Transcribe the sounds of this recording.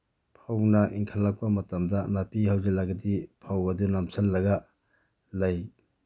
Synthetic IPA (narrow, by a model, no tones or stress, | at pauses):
pʰawnɐʔiŋkʰalːak̚pamɐtɐmdɐnapihawzelːaɡɐdipʰawɐdunamsʰɐlːɐɡɐ | lɐj